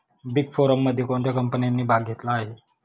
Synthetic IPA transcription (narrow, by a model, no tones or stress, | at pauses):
biɡfoɾəmːəd̪ʱjekõnt̪jakəmpənijanːiːbʱaɡ̚ʱet̪laːɦe